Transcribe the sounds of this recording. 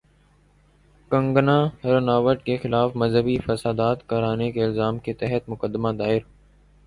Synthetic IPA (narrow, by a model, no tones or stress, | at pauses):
kə̃ŋɡnaːɾənaːʋəʈkexɪlaːfmɐzɦəbifəsaːd̪aːt̪kəɾaːnekeɪlzaːmket̪ɛɦət̪mʊkəd̪ːəmad̪aːɪɾ